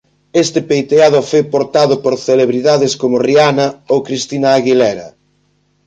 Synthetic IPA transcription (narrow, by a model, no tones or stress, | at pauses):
est̪ɪpejt̪eað̞ʊfojpoɾt̪aðʊpoɾθeleβɾiðaðɪskomʊrianɐowkɾist̪inaːɣilɛɾɐ